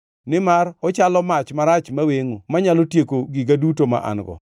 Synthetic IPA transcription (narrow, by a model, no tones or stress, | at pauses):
nɪmarɔt͡ʃalɔmat͡ʃmaɾat͡ʃmaweŋomaɲalotjekoɡɪɡadutoma̰ʔa̰nɡɔ̰